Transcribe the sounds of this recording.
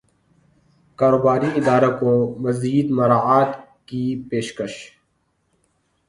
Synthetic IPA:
kaːɾoːbaːɾiɪd̪aːɾakõmɐziːd̪mɐɾaːaːt̪kipeːʃkəʃ

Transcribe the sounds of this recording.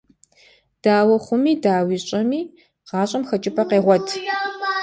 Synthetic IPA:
d̥aːwɐχʷʊmiːdaːwiːɕʼɐmiː | qɑːɕʼɐmxɐt͡ʃʼɪpʰɐqeːʁʷɔtʰ

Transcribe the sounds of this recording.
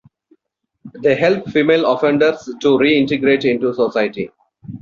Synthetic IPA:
d̪eːɦɛlp̚fiːmeːlɔfẽɳɖəɾsʈuɾiːɪ̃ɳʈeɡɾeːʈɪ̃ɳʈusosaɪʈḭ

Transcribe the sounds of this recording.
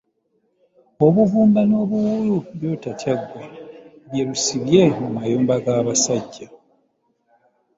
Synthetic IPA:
o̞βuvuːmbano̞ːβuwuluβjo̞ːtacaɡːwa | βjeɾusiβje̞mumajoːmbaɡaːβasaɟːa

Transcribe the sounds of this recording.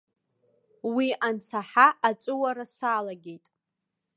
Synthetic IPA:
wiʔansaħaʔat͡sʷʼʊwaɾasaːlaɡʲejtʼ

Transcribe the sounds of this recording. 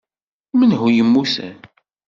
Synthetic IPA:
mənɦujəmːusæ̰n

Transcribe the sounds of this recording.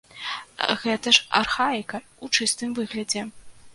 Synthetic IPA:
ɣɛt̪ɐʂa̰rxaikɐut͡ʂɨst̪ɨmvɨɣlʲɐd͡zʲɛ

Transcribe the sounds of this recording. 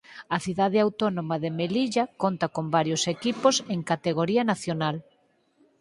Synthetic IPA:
ɐθiðaðɪawt̪onomɐðemeliʎɐkont̪ɐkombaɾjosekiposeŋkat̪eɣ̞oɾiɐnaθjonal

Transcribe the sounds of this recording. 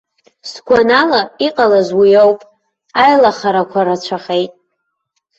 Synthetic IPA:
sɡʷanalaiqʼalazwijowpʼ | ajlaχaɾakʷʰaɾat͡ʃʷʰaχejtʼ

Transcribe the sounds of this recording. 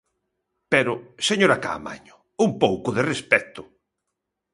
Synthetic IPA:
pɛɾʊseɲoɾaka̰ːma̰ɲʊ | umpowkʊðerespɛt̪ʊ̥

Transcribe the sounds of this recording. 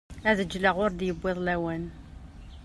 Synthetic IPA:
æðəd͡ʒləʁʊɾd̪jəbːɪðˤlæwæn

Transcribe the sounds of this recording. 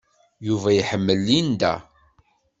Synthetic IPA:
juvæjħəmːəlːind̪æ̰

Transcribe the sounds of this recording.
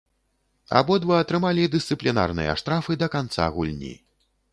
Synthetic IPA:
a̰bɔd̪vɐɐt̪ɾɨmalʲid̪ɨst̪sɨplʲina̰rnɨ̰jɐ̰ʂt̪ɾafɨd̪ɐkant̪sa̰ɣulʲnʲḭ

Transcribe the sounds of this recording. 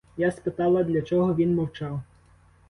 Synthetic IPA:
jaspɪt̪ɑlˠɐd̪lʲɐt͡ʃɔɦɔʋʲinmɔwt͡ʃɑw

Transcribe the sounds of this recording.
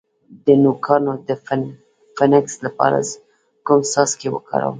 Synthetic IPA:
d̪ənukʰɑnod̪əf | fanɪkslapɑ̰ɾa̰ | kʊmsɑskewə̰kɑ̰ɾə̰wm

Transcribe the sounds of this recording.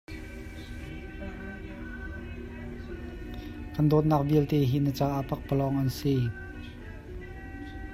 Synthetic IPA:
kand̪ot̪̚nak̚bilt̪eɦinət͡saʔapak̚pəlɔŋansi

